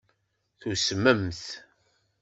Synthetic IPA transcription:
θusməmθ

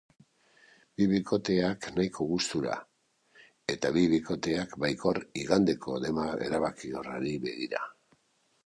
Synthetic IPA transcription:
biβiko̞t̪e̞aknajkʰo̞ɣust̪uɾa̰ | e̞t̪aβiβiko̞t̪e̞akbajko̞riɣand̪e̞ko̞ðe̞mae̞̰ɾaβakioraɾiβe̞̰ɣiɾa̰

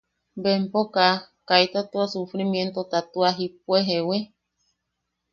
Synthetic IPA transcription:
bempoka | kajt̪at̪uasufɾimjent̪ot̪at̪uaɦipweɦewe

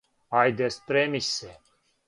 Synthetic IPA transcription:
ajd̪espɾemise

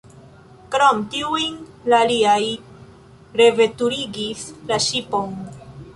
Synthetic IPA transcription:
kɾomtiujnlaliaj | ɾe̞ve̞tuɾiɡislaʃipon

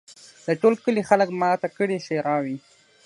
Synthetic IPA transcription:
d̪əʈolkəlixaləkmɑt̪akəɽiʃeɾɑwi

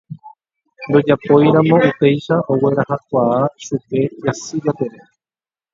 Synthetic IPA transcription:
nɾo̞d͡ʒapo̞jɾãmõ̞upe̞jʃaowe̞ɾahakʷaaʃupe̞jasiβat̪eɾe

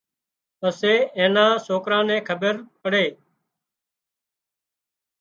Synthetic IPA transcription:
əseːẽːnãːsoːkɾãːnɛ̃ːkʰəbəɾpəɽeː

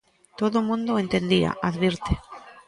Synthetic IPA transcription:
t̪oðʊmũnd̪ʊẽnt̪end̪ia̰ʔaðβiɾt̪e

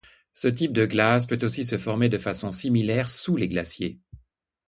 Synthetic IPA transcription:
sət̪ip̚d̪əɡlaspøt̪osisəfɔʁmed̪əfasɔ̃similɛʁsuleɡlasje

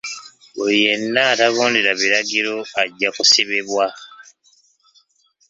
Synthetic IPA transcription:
βulie̞nːaːtaβo̞ːndeɾaβiɾaɡiɾo̞aɟːakuseβe̞βwa

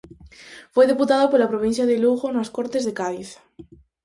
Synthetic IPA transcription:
fojðeput̪aðopolapɾoβ̞ĩn̟θjaðeluɣonaskoɾt̪ezðekaðiθ

